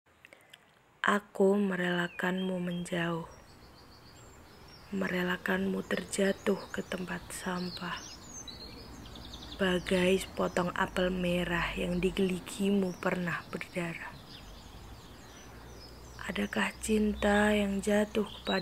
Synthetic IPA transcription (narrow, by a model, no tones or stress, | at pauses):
ʔakuməɾelakanmuməɲd͡ʒaʊh | məɾelakanmut̪ərd͡ʒat̪ʊhkət̪əmpat̪̚sampah | b̥aɡajsə̥pɔt̪ɔŋa̰pəlmeɾahjaŋdiɡəliɡimupərnahbərdaɾa | ʔadakaht͡ʃint̪ajaŋd͡ʒat̪ʊhkə̥pa